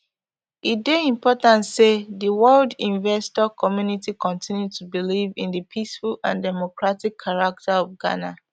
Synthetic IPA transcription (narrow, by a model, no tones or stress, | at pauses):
it̚deĩmpʰɔtãntseðiwɜldĩnvɛstɔkʰɔmjunitikɔ̃ntʰĩnjud̚tʰubilivĩnðəpʰisfulãndɛmokɹatikʰːaɹak̚tʰaɔvɡa̰na